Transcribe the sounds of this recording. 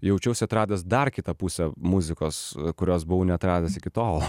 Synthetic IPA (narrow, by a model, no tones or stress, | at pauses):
jɛʊt͡ʃʲɛʊsʲɪɐt̪ɾɑːd̪ʲɛsd̪ɐrkʲɪt̪ɐpusʲɛmʊzʲɪkoːskʊɾʲoːsbʊʋʊnʲɛɐt̪ɾɑːd̪ʲɛsɪkʲɪt̪oːlˠ